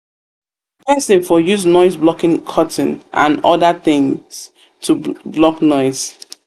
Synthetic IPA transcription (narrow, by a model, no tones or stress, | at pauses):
pʰɛsɪfɔjuznɔɪzblɔkɪ̃ŋkʰʌtn̩ʔã̰nɔðəθɪ̃ŋz̥ | tʰublɔknɔɪz̥